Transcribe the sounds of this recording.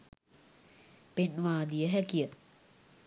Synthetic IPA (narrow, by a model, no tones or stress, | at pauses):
penʋaːd̪ijəɦækijə